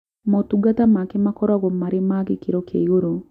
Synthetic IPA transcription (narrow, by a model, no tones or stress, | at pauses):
motuɡatamakemakɔɾwaɣɔmaɾɪmaɡɪkiɾokʰḛoɾo